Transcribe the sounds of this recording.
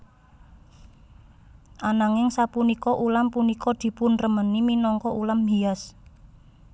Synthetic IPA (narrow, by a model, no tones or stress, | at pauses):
ʔanaŋɪŋsapunikɔʔulampunikɔd̪̥i̤pʊnrəməniminɔŋkɔʔulamɦias